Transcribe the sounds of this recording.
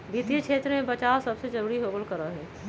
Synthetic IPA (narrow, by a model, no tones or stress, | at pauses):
biːt̪ijəkʰʃʰeːt̪ɾmẽpət͡ʃaːssɐbsed͡ʒɐɾuːɽiɦoːɡəlkəɾaɦɛː